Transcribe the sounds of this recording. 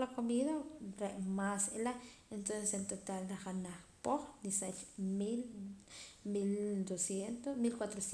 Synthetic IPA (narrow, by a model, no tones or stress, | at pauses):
lakomiðaɾemaselaent̪onsesent̪ot̪ald̪axanahpoxnisat͡ʃmil | mild̪osjent̪omilkwat̪ɾos